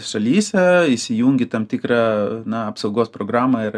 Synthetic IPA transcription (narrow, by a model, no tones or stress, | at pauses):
ʃɐlʲiːsʲɛisʲɪjuːŋʲɡʲɪt̪ɐmt̪ʲɪkɾɑːnɐɐpsɐʊɡoːspɾoːɡɾɑːmɐɪ